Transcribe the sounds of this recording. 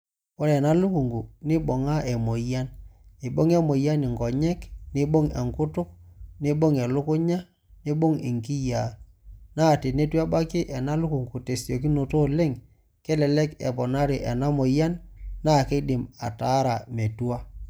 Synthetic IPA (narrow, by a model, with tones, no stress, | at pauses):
ɔ˦ɾɛ˨na˦lʊ˦ku˨ŋɡu˨nɪ˦ɓo˨ŋa˦ɛ˨mo˨ja˦ne˨ɓo˦ŋɛ˦mo˨ja˦nɪ˨ŋɡɔ˨ɲɛ˦knɪ˦ɓo˦ŋɛ̰˨ŋkʊ˦tʊ˦k̚nɪ˦ɓo˦ŋɛ˨lʊ˦kʊ˦ɲa˦ | nɪ˦ɓo˦ŋɪ̰˨ŋki˦ja˨ | na˦˨te˨ne˦twa˦ba˦kɪ˦ʔɛ˨na˦lʊ˦ku˨ŋɡu˨te˨sjo˨k̬i˦no˨to˦le˦ŋ | kɛ˦lɛ˨lɛ˦kɛ̰˨pɔ˨na˦ɾe˨ʔɛ˨na˦mo˨ja˦nːa˦˨ke˦dɪ˨ma̰˨taː˨˦ɾa˨me˨tu˦a˦